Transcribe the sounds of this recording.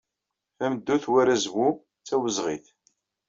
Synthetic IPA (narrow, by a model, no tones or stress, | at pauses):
æməd̪ːuθwæɾæzwu | t͡sːæwəzʁḭθ